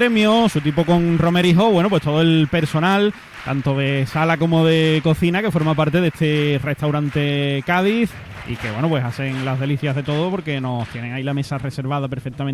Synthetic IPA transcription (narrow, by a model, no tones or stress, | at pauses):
ɾe̞mjosut̪̬ipoko̞ŋro̞meɾiɦo̞βwe̞nop̬wet̪ooe̞lpe̞ɾso̞nal | t̪a̰nt̪o̞ðe̞salako̞mo̞ðe̞ko̞θinake̞fo̞ɾmap̬aɾt̪e̞ðeht̪ere̞ht̪awɾant̪e̞kað̞iθ | ḭke̞βwe̞nopwe̞saθe̞ŋlaɦðe̞liθjaɦðe̞t̪o̞ðopo̞ɾke̞no̞st̪je̞neŋailame̞sare̞se̞ɾβ̞aðape̞ɾfek̚t̪amẽn